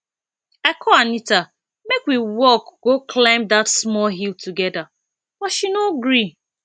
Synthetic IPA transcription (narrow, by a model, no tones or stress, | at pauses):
aɪkʰɔanita | mekwiwɔkɡ̥oklãɪ̃mdatsmɔlɦiltʰuɡɛda | b̥ɔʃinoɡɹi